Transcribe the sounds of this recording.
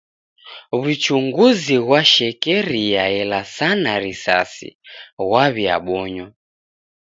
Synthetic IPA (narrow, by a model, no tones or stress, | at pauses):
βut͡ʃuŋɡuziɣwaʃɛkɛɾijaɛlasanaɾisa̰sḭɣwaβja̰ɓɔɲɔ